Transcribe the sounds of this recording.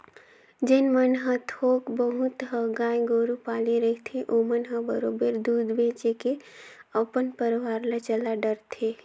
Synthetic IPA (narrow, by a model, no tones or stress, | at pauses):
d͡ʒenmənɦə̃t̪ʰoːkbəɦut̪ɦəɡajɡoɾupaːliɾəɦit̪ʰeʔomənɦə̃bəɾoːbəɾd̪ud̪bʱẽt͡ʃekeəpənpəɾʋaːɾlat͡ʃəlaɖəɾt̪ʰe